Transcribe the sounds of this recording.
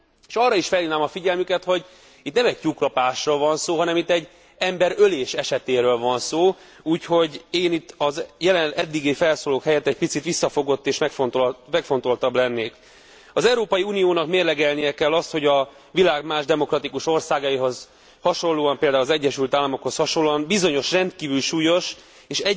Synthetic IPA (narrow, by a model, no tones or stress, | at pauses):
eːʃɒrːɒiʃfɛlːinaːmɒfiɟɛlmykɛt̪ho̞ɟ | it̪nɛmɛc̚cuklɒpaːʃroːlvɒnsoːɦɒnɛmit̪ːɛɟː | ɛmbɛɾøleːʃɛʃɛt̪eːɾøːlvɒnsoː | uːcho̞ɟeːnit̪ːɒzjɛlɛnɛd̪ːiɡifɛlsoːloːkhɛjɛt̪ːɛc̚pit̪sit̪ʋisːɒfo̞ɡo̞t̪ːeːʃmɛkfont̪omɛkfo̞nt̪o̞lt̪ɒblɛnːeːk | ɒzɛwɾoːpɒjiuːnijoːnɒkmeːrlɛɡɛlnijɛkɛlːɒst̪ho̞ɟɒ | vilaːɡmaːʒd̪ɛmo̞krɒt̪ikuʃo̞rsaːɡɒjiɦo̞z | hɒʃo̞nlːoːɒmpeːld̪aulzɛɟːɛʃylt̪aːlːɒmo̞khoshɒʃolːoɒmbizo̞ɲo̞ʃrɛnt̪kiːvylʃuːjo̞ʃ | eːʃɛ